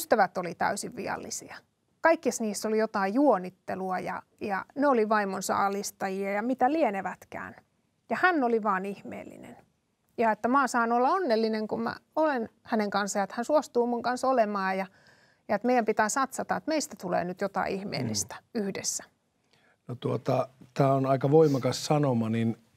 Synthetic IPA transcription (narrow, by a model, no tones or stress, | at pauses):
st̪æʋæt̪ːolit̪æ̰ysiʋʋḭɑ̰lːisiɑ | kɑikːisniːsːolijot̪ɑijuonːit̪ːeluɑjɑ̰jɑ̰neoliʋɑimonsɑ̰ɑlist̪ɑjiɑjɑmit̪ælieneʋæt̪kæ̰ːn | jɑhænːoliʋɑːnihmḛːlːḭnḛn | jɑet̪ːæmɑːsɑːnuolːɑonːelːineŋkummæ̰olenhæneŋkɑnsːɑjɑet̪hænsuost̪uːmuŋkɑnsolemɑːjɑ | jɑet̪meijæmpit̪æːsɑt̪sɑt̪ɑet̪meist̪æt̪ulḛːnyt̪jot̪ɑ̰ḭihmḛːlːist̪æ̥yhdesːæ̥ | not̪uot̪ɑt̪æːonɑikɑʋoimɑkɑssɑnomɑnin